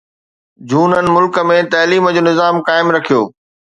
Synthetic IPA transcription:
d͡ʑuːnənɪ̆mʊlkə̆mẽt̪ɐːliːmd͡ʑoːnɪzaːmkaːɪmɾɐkʰijoː

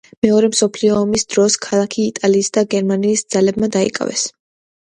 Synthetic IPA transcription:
mɛɔɾɛmsɔpʰliɔːmisd̪̥ɾɔskʰalˠakʰiːt̪ʼaliːsd̪aɡɛɾmaniːsd̪z̥alɛbmad̪aḭkʼa̰vɛ̰s

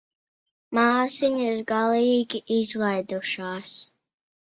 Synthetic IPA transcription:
maːsiɲaɪɾɡalˠiɡʲiʔizlˠajd̪uʃaːs

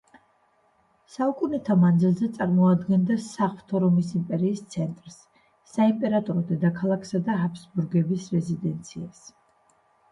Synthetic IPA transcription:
saukʼunɛt̪ʰamand̪zilˠzɛt̪sʼaɾmɔad̪ɡɛnd̪asaχlt̪ʰɔɾɔmisimpʼɛɾiːst̪sʰɛnt̪ʼɾsː | aimpʼɛɾat̪ʼɔɾɔd̪ɛd̪akʰalˠakʰsad̪aɦapʰsbuɾɡɛbisɾɛzid̪ɛnt̪sʰias

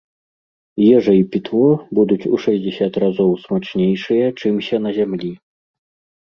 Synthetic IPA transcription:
jɛʐɐipʲit̪lɔbud̪ut͡sʲuʂɐzʲd͡zʲɛsʲat̪razɔwsmat͡ʂnʲejʂɨjɐt͡ʂɨmsʲɐn̪ɐzʲamlʲi

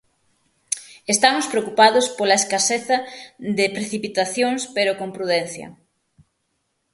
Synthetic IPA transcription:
est̪amospɾeokupaðʊspolɐeskaseθɐðɪpɾeθipit̪aθjoŋspeɾokompɾuðɛnθjɐ̰

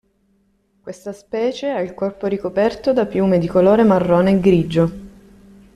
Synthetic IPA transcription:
kwest̪aspɛːt͡ʃeailkɔrpoɾikopɛrt̪od̪apjuːmed̪ikoloːɾemarːoːneːɡɾiːd͡ʒo

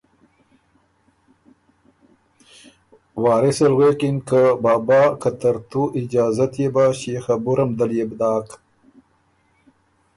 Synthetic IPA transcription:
wɑːɾɪselɣwekɪnkabɑːbɑːkat̪aɾt̪uɪd͡ʒɑːzat̪jebaɕexabuɾamd̪aljebd̪ɑːk

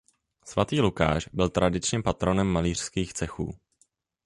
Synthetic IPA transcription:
svat̪iːluka̰ːʃbɪlt̪ɾʔadɪt͡ʃɲɛpat̪ɾonɛmːaliːr̝̥skiːxt͡sɛxṵː

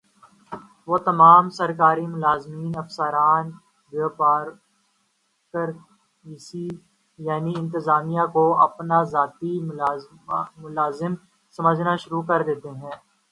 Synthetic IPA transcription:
ʋoːt̪ɐmaːmsɐɾkaːɾimʊlaːzmiːnɐfsəɾaːn | boːpaːɾ | kəɾ | iːsi | jaːniɪ̃nt̪əzaːmijakoɐ̰pnazaːt̪i | mʊlaːzɪm | sɐməd͡ʒʱnaʃʊɾukɐɾd̪eːt̪eɦɛ̃ː

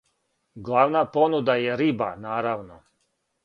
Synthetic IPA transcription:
ɡlˠaːʋnapo̞nud̪ajeɾibanaːɾaʋno̞

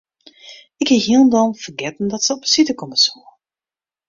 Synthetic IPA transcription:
ɪkhɛɦiəlˠndɔnfərɡɛtn̩dɔtsəɔpə̥sitəkɔməsuə

